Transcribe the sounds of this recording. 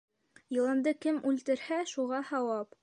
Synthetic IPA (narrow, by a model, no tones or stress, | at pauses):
jɤ̆lˠɤ̆nd̪ɤkɘmʉlt̪ɘ̆ɾhæʃuʁɑhɑwɑp